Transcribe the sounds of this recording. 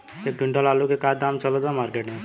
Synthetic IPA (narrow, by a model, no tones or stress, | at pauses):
ek̚ɡʱʊɳʈalaːlukekad̪aːmt͡ʃəlod̪amaːɾkeːʈnẽ